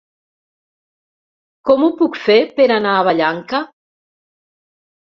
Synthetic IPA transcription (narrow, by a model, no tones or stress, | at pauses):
kɔmupukfepeɾanaːβaʎaŋka